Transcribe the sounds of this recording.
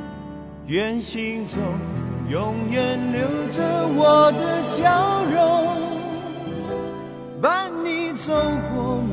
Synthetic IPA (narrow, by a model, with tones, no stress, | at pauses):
ɥɛ˨˩nɕi˧ŋt͡so˧ŋjʊ˧˥ŋjɛ˨˩nljo˧˥ʊd͡zə˧wɔ˨˩d̪ə˦ɕjɑ˦ʊɻo˧˦ŋ | ba˦ni˨˩˦t͡so˧˥ʊkwɔ˧˦